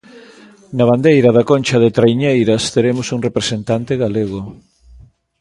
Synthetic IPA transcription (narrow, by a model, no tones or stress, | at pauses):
nɐβ̞and̪ejɾɐðɐkonʲt͡ʃɐðet̪ɾajɲejɾɐst̪eɾemʊsuŋrepɾesent̪ant̪eɣaleɣ̞o